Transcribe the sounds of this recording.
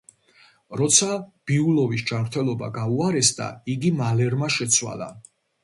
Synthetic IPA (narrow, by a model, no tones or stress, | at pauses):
ɾɔt̪sʰab̥iulɔvisd͡ʒamɾt̪ʰɛlˠɔba̰ɡauaɾɛsd̪a̰iɡimalɛɾmaʃɛt̪sʰwa̰lˠa̰